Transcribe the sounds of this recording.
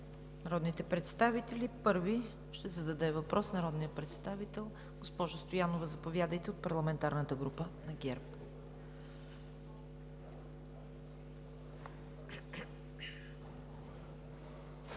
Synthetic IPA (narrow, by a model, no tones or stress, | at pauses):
nɐɾɔd̪nit̪ɛpɾɛt̪st̪avit̪ɛlipɤɾvi | ʃt̪ɛzɐd̪ɐd̪ɛvɐpɾʔɔsnɐɾɔd̪nijəpɾɛt̪st̪avit̪ɛlˠ | ɡ̥ospɔʒost̪ojanovəzɐpovʲjad̪əjt̪ɛot̪̚pɐɾlˠɐmɛnt̪aɾnət̪əɡɾupənɐɡʲɛɾp